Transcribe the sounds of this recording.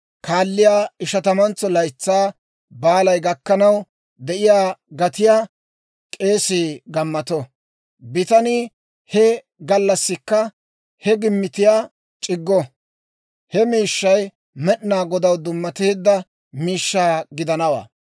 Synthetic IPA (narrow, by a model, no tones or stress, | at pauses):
kaːlːɪjaːɪʃɐt̪ɐmɐnt͡sːɔlɐjt͡sːaː | baːlɐjɡɐkːɐnɐw | d̪ɛʔɪjaːɡɐt̪ɪjaː | kʼe̞ːsiːɡɐmːɐt̪ɔ | bɪt̪ɐnɪ | hɛ | ɡɐlːɐsːɪkːɐ | hɛɡɪmːɪt̪ɪjaː | t͡ʃʼɪɡːɔ | hɛmiːʃːɐj | mɛɗnaːɡɔd̪ɐwd̪ʊmːɐt̪eːd̪ːɐ | miːʃːaːɡɪd̪ɐnɐwa̰ː